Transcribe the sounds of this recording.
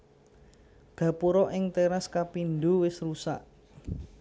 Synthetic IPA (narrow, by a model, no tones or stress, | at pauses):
ɡ̥ä̤puɾɔʔɪŋt̪eɾaskapind̪uwɪsrusa̰ʔ